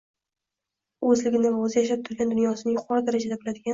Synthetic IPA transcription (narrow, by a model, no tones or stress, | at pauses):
ɵzlɪɡʲɪnɪvaɵzɪjaʃ̬ap̚t̪ʰʊɾɡʲand̪ʊnjɒsɪnɪŋjʊqʰɒɾɨd̪aɾad͡ʒad̪abɪlad̪ɪɡʲa